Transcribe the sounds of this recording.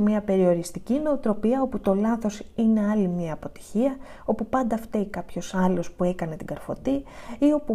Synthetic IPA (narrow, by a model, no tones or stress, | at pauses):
mɲɐpe̞ɾio̞ɾist̪icine̞ot̪ɾo̞piɐo̞put̪o̞lɐθo̞sine̞ɐlimɲɐːpo̞t̪i̥çiɐ | o̞pupɐnd̪ɐft̪eikɐpço̞sɐlo̞spue̞kɐne̞t̪iɡɐɾfo̞̰t̪iio̞pu